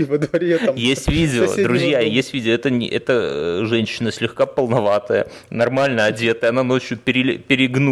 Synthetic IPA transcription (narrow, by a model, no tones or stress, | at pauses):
vəd̪vɐɾʲejesʲtʲvʲidʲɪoo̰dd̪ɾʊzʲjajesʲtʲvʲidʲɪoɛt̪ə̰ʔɛt̪əʐɛnʲɕːɪnəsʲlʲɪxkapəlˠnɐvat̪əjə̰ | nɐrmalʲnəɐdʲe̞t̪əjəɐnano̞t͡ɕjʊpʲɪɾʲɪpʲɪɾʲɪɡnu